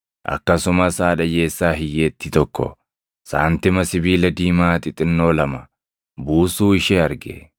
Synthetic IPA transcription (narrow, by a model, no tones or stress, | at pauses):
ʔɐ̰kːɐsʊmɐsaːᶑɐjeːsːaːɦɪjːeːt̪ːɪt̪ɔkːɔ̰ | saːnt̪ɪmɐsɪbiːlɐd̪iːmaːt̪ɪt̪ʼɪnːoːlɐmɐ | buːsuːɪʃɛɐɾɡḛ